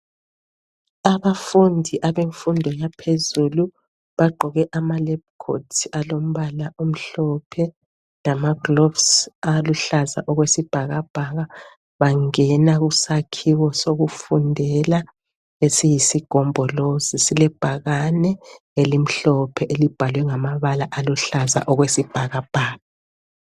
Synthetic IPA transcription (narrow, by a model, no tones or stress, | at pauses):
aβafundʱiʔaβeɱfundʱɔjapʰezulu | βaɡ͡ǃʱɔɣɛʔamalɛb̚kʰo̰tʰialom̩βalaʔum̩ɬɔpʰɛ | lamaɡ̥lɔfsaluɬaza̰ʔɔɣwesib̥ʱaɣab̥ʱaɣa | βaŋɛnaɣusakʰiwɔsoɣufundʱɛla | esijisiɡ̥ʱɔmbʱɔlozisilɛb̥ʱaɣanɛ | elim̩ɬɔpʰɛʔelib̥ʱalwɛŋamaβalaʔaluɬaza̰ʔɔɣwesib̥ʱaɣab̥ʱaːɣa